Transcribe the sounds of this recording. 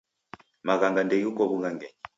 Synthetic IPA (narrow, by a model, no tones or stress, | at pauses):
maɣaŋɡandɛjukɔβuɣaŋɡɛɲi